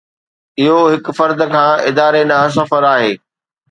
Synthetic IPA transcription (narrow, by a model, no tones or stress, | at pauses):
ɪɦoɦɪk̆fɐɾd̪ə̆kʰãːʔɪd̪aːɾenaɦs̬ɐfəɾaːɦeː